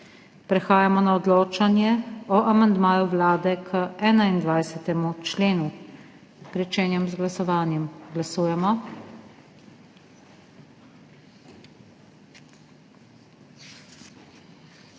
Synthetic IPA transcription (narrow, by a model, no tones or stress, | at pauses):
pɾɛxaːjamɔnaɔd̪loːt͡ʃanjɛɔʔamand̪maːjuʋlaːd̪ɛkʰəɛːnaind̪ʋajsɛt̪ɛmut͡ʃleːnu | pɾɛt͡ʃɛːnjɛmzɡlasɔʋaːnjɛmɡlasuːjɛmɔ